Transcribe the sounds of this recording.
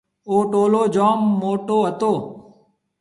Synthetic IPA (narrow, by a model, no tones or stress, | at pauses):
oːʈoːloːd͡ʒaːmːoːʈoːɦət̪oː